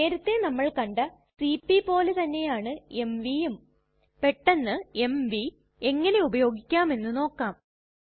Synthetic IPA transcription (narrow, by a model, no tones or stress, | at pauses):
e̞ːɾut̪ːe̞nɐmːɐɭkɐɳɖɐ | sipːipo̞ːlet̪ɐnːe̞jaːɳɨe̞mʋijum | pe̞ʈːenːɨe̞mʋi | e̞ŋːɐneubɐjo̞ːɡikʲːaːme̞nːɨno̞ːkːaːm